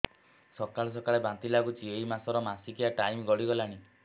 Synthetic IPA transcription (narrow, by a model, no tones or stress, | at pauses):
sɔkaɭes̬ɔkaɭebant̪ilakut͡ʃieimasɔɾɔmasikiaʈajmɡɔɽiɡɔlaɽ̃i